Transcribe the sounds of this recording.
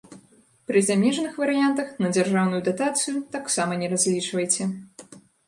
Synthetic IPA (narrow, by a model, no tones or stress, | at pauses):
pɾɨzamʲɛʐɐnɨxvɐɾɨjant̪ɐxnɐd͡zʲarʐawnujud̪at̪at̪sɨjut̪aksamɐnʲɛɾazʲlʲit͡ʂvɐjt͡sʲɛ